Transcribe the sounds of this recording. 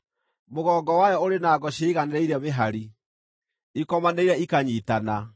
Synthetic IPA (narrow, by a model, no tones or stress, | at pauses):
moɣɔːɡɔwajɔoɾenaːɡɔɕeiɣaneɾɛiɾɛmeɦaɾi | ikɔmaneiɾɛikaɲitana